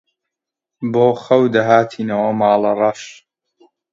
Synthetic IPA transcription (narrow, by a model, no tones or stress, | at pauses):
boːxɐwd̪ɐɦaːt̪ʰiːnɐwɐmaːlɐrɐʃ